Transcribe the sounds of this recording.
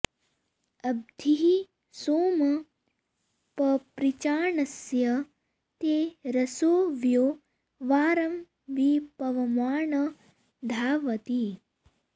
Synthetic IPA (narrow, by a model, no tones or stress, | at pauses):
ɐb̚d̪ʱiɦi | soːmɐ | pɐpɾit͡ʃaːɳɐsjɐ | t̪eːɾɐsoːʋjoː | ʋaːɾɐm | ʋipɐʋɐmaːɳɐ | d̪ʱaːʋɐt̪i